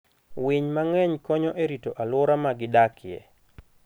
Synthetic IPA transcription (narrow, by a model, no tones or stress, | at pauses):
wɪɲmaŋɛɲkɔɲɔʔeɾitoʔalʊɾamaɡɪdakʰɪɛ̰